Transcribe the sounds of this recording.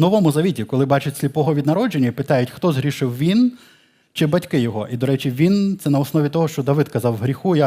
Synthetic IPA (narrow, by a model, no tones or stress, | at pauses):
nɔʋɔmʊzɐʋʲitʲikɔlˠɪbɑt͡ʃɪtʲsʲlʲipɔɦɔʋʲid̪nɐɾɔd͡ʒenʲːɐpɪt̪ɑjʊtʲxt̪ɔzɦɾʲiʃɪwʋʲin | t͡ʃɪbɐtʲkɪjɔɦɔʔid̪ɔɾɛt͡ʃʲiʋʲint̪sɛnɐɔsnɔʋʲit̪ɔɦɔʃt͡ʃɔd̪ɐʋɪd̪kɐzɑwɦɾʲixuja